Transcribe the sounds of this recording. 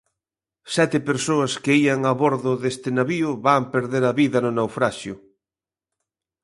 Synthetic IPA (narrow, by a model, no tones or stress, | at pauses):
sɛt̪ɪpeɾsoɐskeiaŋaβoɾðʊðest̪ɪnaβiʊβampeɾðeɾɐβiðɐnʊnawfɾaʃjʊ